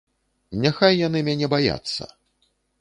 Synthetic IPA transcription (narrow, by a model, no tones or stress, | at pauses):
nʲaxajːanɨmʲanʲɛbaja̰t̪sːɐ̰